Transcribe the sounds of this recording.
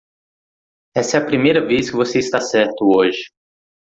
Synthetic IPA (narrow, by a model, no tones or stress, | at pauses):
ɛsɛɐpɾimejɾɐveskɪvoseɪst̪asɛɾt̪ʊoʒɪ